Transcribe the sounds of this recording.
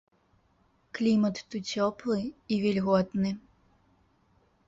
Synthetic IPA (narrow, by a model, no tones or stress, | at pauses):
klʲimɐt̪ːut͡sʲɔplˠɨivʲɛlʲɣɔt̪nɨ